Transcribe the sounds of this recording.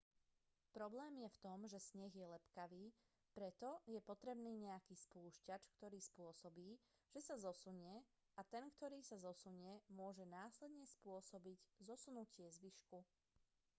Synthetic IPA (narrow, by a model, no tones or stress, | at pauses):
pɾɔblɛːmjɛft̪ɔmʒɛsɲɛɣjɛlɛpkaʋiː | pɾɛt̪ɔjɛpɔt̪ɾɛbniːɲɛakiːspuːʃcat͡ʃkt̪ɔɾiːspʊɔsɔbiː | ʒ̥ɛsazɔsuɲɪɛ | at̪ɛnkt̪ɔɾiːsazɔsuɲɪɛmʊɔʒɛnaːslɛd̪ɲɛspʊɔsɔbiɟzɔsunucɪɛzʋiʃku